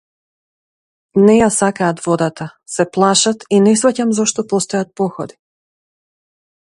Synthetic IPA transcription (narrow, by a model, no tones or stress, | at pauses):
nɛjasakaːt̪vɔd̪at̪a | sɛplˠaʃat̪inɛsvacamzɔʃt̪ɔpɔst̪ɔjat̪̚pɔxɔd̪i